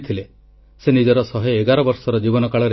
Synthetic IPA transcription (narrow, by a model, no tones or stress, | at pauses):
t̪ʰile | senid͡ʒɔɾɔsɔɦeeɡaɾɔbɔɾsɔɾɔd͡ʒibɔnɔkaɭɔɾe